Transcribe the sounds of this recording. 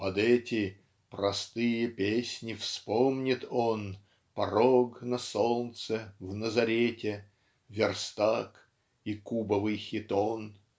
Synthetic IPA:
pɐd̪ɛtʲɪ | pɾɐst̪ɨjəpʲesʲnʲɪfspomnʲɪt̪ʰon | pɐɾoɡnɐsolˠt̪səvnəzɐɾʲetʲɪ | vʲɪrst̪ak | ikubəvɨjxʲɪt̪on

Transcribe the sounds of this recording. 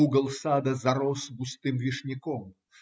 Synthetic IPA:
uɡəlˠsɑd̪azaɾosbust̪ɨmvʲiʂnʲikom

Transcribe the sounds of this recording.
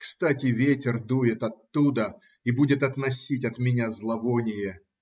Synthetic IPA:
kst̪atʲɪvʲetʲɪrd̪ujɪt̪ɐt̪ːud̪ə | ibudʲɪt̪ɐt̪nɐsʲitʲɐt̪mʲɪnʲazlˠɐvonʲɪjə

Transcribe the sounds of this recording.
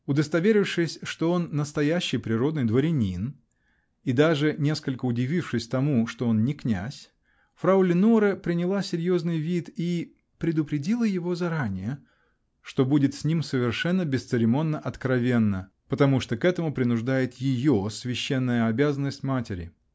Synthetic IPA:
ʊd̪əst̪ɐvʲeɾʲɪfʂɨsʲʂt̪o̞o̞nːəst̪ɐjæɕːɪjpɾʲɪɾo̞d̪nɨjd̪vəɾʲɪnʲin | id̪aʐɨnʲe̞skəlʲkəʊdʲɪvʲifʂɨsʲt̪ɐmuʂt̪oo̞nnʲɪknʲæ̰sʲ | fɾaʊlʲɪnuɾəpɾʲɪnʲɪlˠasʲɪɾʲjo̞znɨjvʲit̪i | pɾʲɪd̪ʊpɾʲɪdʲilˠəjɪvo̞zɐɾanʲɪjə | ʂt̪o̞budʲɪt̪sʲnʲimsəvʲɪrʂɛnːəbʲɪst̪sɨɾʲɪmo̞nːəʔɐt̪kɾɐvʲe̞nːə | pət̪ɐmuʂt̪okɛt̪əmʊpɾʲɪnʊʐd̪ajɪt̪jɪjosvʲɪɕːe̞nːəjəɐbʲazənːəsʲtʲmatʲɪɾʲɪ̰

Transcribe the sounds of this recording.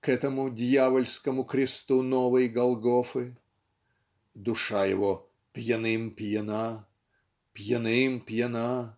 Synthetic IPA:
kɛt̪əmʊdʲjavəlʲskəmʊkɾʲɪst̪unovəjɡɐlˠɡofɨ | d̪ʊʂajɪ̰vo | pʲjɪnɨmpʲjɪna | pʲjɪnɪmpʲjɪna

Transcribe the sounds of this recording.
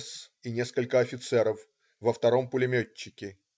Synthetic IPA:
s | inʲe̞skəlʲkəɐfʲɪt̪sɛɾəf | vəft̪ɐɾo̞mpʊlʲɪmʲot͡ɕːɪkʲɪ

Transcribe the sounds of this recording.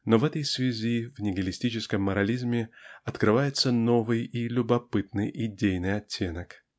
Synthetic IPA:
no̞vɛt̪əjsvʲɪzʲivnʲɪɡəlʲɪsʲtʲit͡ɕɪskəmːəɾɐlʲizmʲɪɐt̪kɾɨvajɪt̪səno̞vɨjilʲʊbɐpɨt̪nɨjʔɪdʲejnɨjɐtʲːe̞nək

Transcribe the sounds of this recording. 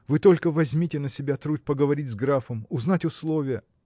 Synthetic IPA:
vɨt̪o̞lʲkəvɐzʲmʲitʲɪnəsʲɪbʲat̪ɾut̚ʲpəɡəvɐɾʲitʲzɡɾafəmʊznatʲʊslˠovʲɪjə

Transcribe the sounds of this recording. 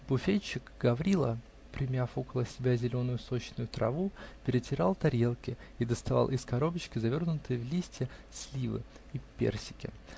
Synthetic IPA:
b̥ʊfʲet͡ɕːɪkɡɐvɾʲilˠə | pɾʲɪmʲafo̞kəlˠəsʲɪbʲazʲɪlʲo̞nʊjʊsot͡ɕnʊjʊt̪ɾɐ̰vupʲɪɾʲɪtʲɪɾalˠt̪ɐɾʲe̞lˠkʲɪid̪əst̪ɐvɑ̰lˠʔɪskɐɾo̞bət͡ɕkʲɪzɐvʲo̞rnʊt̪ɨjəvlʲisʲtʲɪsʲlʲivɨ̰ | ipʲḛrsʲɪ̥kʲɪ̰

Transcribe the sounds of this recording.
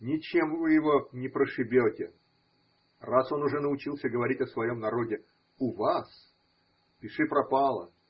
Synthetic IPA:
nʲɪt͡ɕemvɨjɪvo̞nʲɪpɾəʂɨbʲotʲɪ | raso̞nʊʐɛnəʊt͡ɕilˠsʲəɡəvɐɾʲitʲɐsvɐjo̞mnɐɾo̞dʲɪ | ʊvas | pʲɪʂɨpɾɐpalˠə̰

